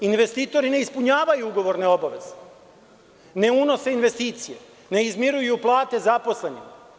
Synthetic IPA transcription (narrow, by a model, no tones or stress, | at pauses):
inʋe̞st̪it̪o̞ɾine̞ispuɲaːʋajuuɡo̞ʋo̞ɾne̞o̞baʋe̞̰z̥e̥ | ne̞uno̞se̞inʋe̞st̪iːt̪sijḛ | ne̞izmiɾujuplˠaːt̪e̞zapo̞sle̞nim